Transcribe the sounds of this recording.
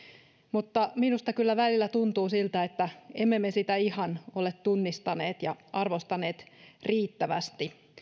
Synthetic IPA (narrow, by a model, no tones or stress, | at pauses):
mut̪ːɑminust̪ɑkylːæʋælilːæt̪unt̪uːsilt̪æet̪ːæemːemesit̪æihɑnolet̪tunːist̪ɑneːt̪jɑʔɑrʋost̪ɑne̞ːt̪riːt̪ːæʋæ̰st̪i